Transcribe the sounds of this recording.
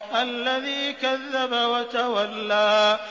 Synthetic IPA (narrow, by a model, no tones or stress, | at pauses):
ʔalːaðiːkaðːabawɐt̪awalːaː